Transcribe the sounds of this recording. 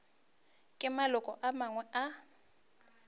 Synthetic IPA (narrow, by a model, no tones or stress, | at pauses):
kʼɪmalʊkʼɔʔamaŋwɛʔa